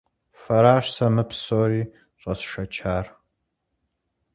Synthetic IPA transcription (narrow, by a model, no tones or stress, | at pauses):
fɐɾaːʂsɐmɨpʰsoːriː | ɕʷʼɐsʃɐt͡ʃʰaːr